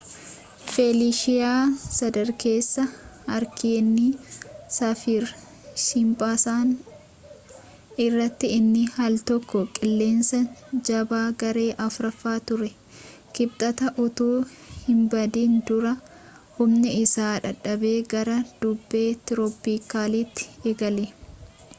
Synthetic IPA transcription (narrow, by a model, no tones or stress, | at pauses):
feːliːʃɪjaːsɐd̪ɐɾke̞ːsːɐhɐɾkiːnːisɐfiɾ | ʃɪmpʼaːsaːn | ɪrːɐt̪ːɪɪnːɪhɐlt̪ɔkːɔkʼɪlːe̞ːnsɐd͡ʒɐbaːɡɐɾe̞ːʔɐfɾɐfːaːt̪ʊɾɛ | kɪbt̪ʼɐt̪ɐʔʊt̪uː | hɪmbɐd̪iːnd̪ʊɾɐ | hʊmnɪɪsaːᶑɐᶑːɐbe̞ːɡɐɾɐd̪̥ʊbːe̞ːt̪ɪɾɔːpːiːkaːliːt̪ːɪ̥eːɡɐle